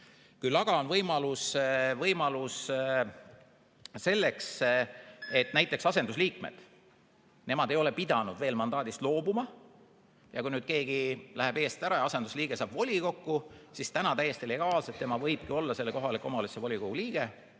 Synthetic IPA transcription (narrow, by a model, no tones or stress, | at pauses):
kulːɑɡ̥ɑo̞nvɤjmɑlusvɤjmɑlus | se̞lːe̞ks | e̞t̪ːˑnæjt̪ˑːe̞ksɑse̞nd̪usliːkmḛd̪̥ | ne̞mɑd̪̥e̞jo̞le̞pid̪̥ɑnud̪ve̞ːlmɑnd̪̥ɑːd̪ist̪lo̞ːbumɑ | jɑkujnyːd̪̥ke̞ːɡilæɦe̞be̞ːst̪æɾɑjɑɑse̞nd̪̥usliːɡ̥e̞sɑːb̥vo̞lʲiko̞kˑːusist̪ænɑt̪æjːe̞st̪ile̞ɡ̥ɑːlse̞t̪ːe̞mɑvɤjb̥̚kio̞lːɑse̞lːeko̞ɦɑlikːˑo̞mɑlisevo̞lʲikoɡ̥uliːɡ̥e̞